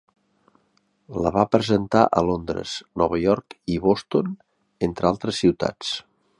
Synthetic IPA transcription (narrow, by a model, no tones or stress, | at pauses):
ləβapɾəzənt̪aʔəlond̪ɾə̰z̥nɔβəjɔɾkiβɔst̪on | ent̪ɾəalˠt̪ɾəsːiwt̪a̰t͡s